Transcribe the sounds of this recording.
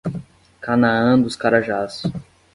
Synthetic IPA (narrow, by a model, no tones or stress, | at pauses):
kanaɐ̃d̪ʊskaɾaʒasʊ̥